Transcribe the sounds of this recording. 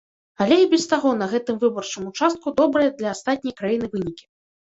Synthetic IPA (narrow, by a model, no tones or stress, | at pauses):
alʲɛibʲɛst̪aɣɔnɐɣɛt̪ɨmvɨbɐrt͡ʂɨmut͡ʂast̪̚kud̪ɔbɾɐjɐd̪lʲɐːst̪at̪̚ʲnʲɐjkɾajinɨvɨnʲikʲi̥